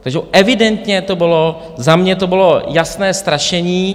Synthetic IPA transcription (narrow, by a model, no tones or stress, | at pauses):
t̪aɡʒɛʔɛvɪdɛnt̪ɲɛt̪o̞bɪlo | zamɲɛt̪obɪlojasnɛːst̪ɾaʃɛɲiː